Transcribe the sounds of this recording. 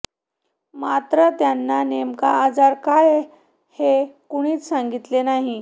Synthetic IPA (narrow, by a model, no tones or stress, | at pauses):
mat̪ɾət̪janːanemka̰ːd͡zaɾkaj | hekuɽ̃iːt͡ssaŋɡit̪lenaɦi